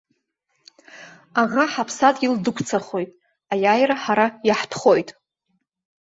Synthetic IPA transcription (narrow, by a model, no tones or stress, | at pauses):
aʁaħapʰsatʼildɨkʷʰt͡sʰaχo̞jtʼ | ajaːjraħaɾajaħtʰχo̞jtʼ